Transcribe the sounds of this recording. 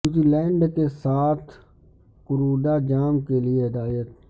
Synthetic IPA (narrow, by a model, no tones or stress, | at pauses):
uːzilɛ̃ːɳɖkesaːt̪ʰ | kʊɾoːɖaːd͡ʒaːmkelieɦɪd̪aːjət̪̚